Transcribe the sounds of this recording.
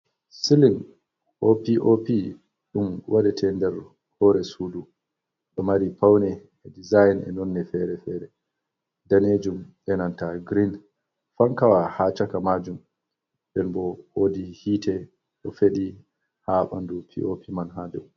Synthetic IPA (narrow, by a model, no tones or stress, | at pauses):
silin | ʔopiʔopi | ɗumwʔaɗɛtʰɛndɛɾ | hɔɾɛsudu | ɗɔmaɾipawnɛ | ɛdizajnɛ̰nɔnnːɛfɛɾɛfɛɾɛ | daned͡ʒumɓɛnantaɡɾin | faŋkawahat͡ʃakamad͡ʒum | ɓɛnbɔwodihitɛ | ɗɔfeɗi | haɓa̰ndupʰḭʔopʰimanɦadɛu